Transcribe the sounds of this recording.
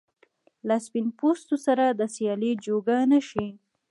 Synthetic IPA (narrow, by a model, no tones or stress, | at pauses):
laspinpost̪osaɾad̪əsjɑled͡ʒoɡanaʃi